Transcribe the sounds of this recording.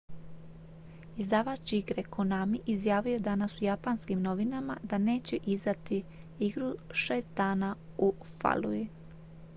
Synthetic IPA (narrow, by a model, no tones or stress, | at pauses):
izd̪aːʋat͡ɕiɡɾekonamiʔizjaːʋijod̪anasujapanskimno̞ʋinama̰d̪ane̞ːt͡ɕeʔizd̪at̪i | iɡɾuʃe̞ːst̪̚d̪aːna | ufa̰lui